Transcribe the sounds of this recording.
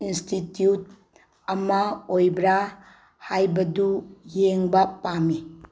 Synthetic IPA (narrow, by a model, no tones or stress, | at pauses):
institjut̚ | ɐmaojbɾa | hajbɐdujeŋbapami